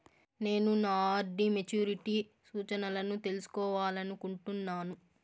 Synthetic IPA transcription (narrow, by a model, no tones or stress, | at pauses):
ne̞ːnunaːaːɾɖ̪imet͡ʃuːɾiʈiː | suːt͡ʃɐnɐlɐnut̪e̞lusu̥kɔːʋaːlɐnukuɳʈunːaːnu